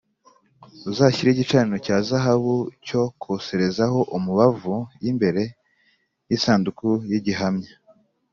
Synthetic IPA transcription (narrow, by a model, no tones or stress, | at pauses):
uzaːçiɾiɟit͡ʃaːninocaːzaɦaβuco̞kʰose̞ɾe̞zaɦo̞ʔumuβavujimbe̞ɾe̞ | jisaːndukujiɟiɦamɲḁ